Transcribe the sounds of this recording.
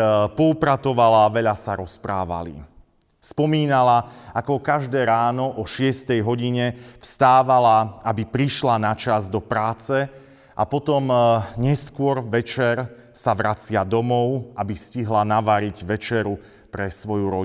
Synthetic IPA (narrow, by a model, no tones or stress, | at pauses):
pɔupɾat̪ɔʋalaʋɛʎasaɾɔspɾaːʋa̰lḭ | spɔmiːnalaakɔkaʒd̪ɛːɾaːnɔʔɔʃɪɛst̪ɛjɦɔɟiɲɛfst̪aːʋalaabipɾiʃlanat͡ʃazd̪ɔpɾaːt͡sɛ | ʔapɔt̪ɔmɲɛskʊɔɾʋɛt͡ʃɛɾ | saʋɾat͡sɪad̪ɔmɔʊabisciɦlanaʋaɾiɟʋɛt͡ʃɛɾu | pɾɛsʋɔjuɾɔ